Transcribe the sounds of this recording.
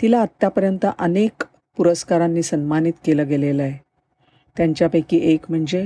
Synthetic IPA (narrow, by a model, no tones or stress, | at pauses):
t̪ilaət̪ːapəɾjənt̪əʔənek | puɾəskaɾanːiːsənmanit̪keləːɡelelae | t̪jaɲt͡ɕjapəjkiːʔekm̤əɳd͡ze